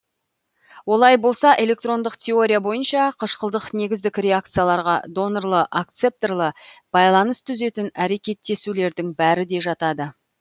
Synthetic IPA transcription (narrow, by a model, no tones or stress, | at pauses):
wo̞lˠɑjbo̞lˠsɑʔe̞lʲe̞k̚t̪ro̞nd̪əqt̪ʲʰe̞o̞ɾʲijabo̞jənʃɑqʰəʃqəlˠd̪əqne̞ɡʲɪzd̪ɪkʲrʲe̞ak̚t̪sɨjalˠɑɾʁɑ̰d̪o̞norlˠəʔakt̪se̞p̚t̪erlˠəb̥ɑjlˠɑnəst̪ʰʏze̞t̪ɪnæɾe̞kʲe̞t̪ːe̞sule̞ɾd̪ɪŋbæɾɪd̪e̞ʒɑt̪ɑd̪ə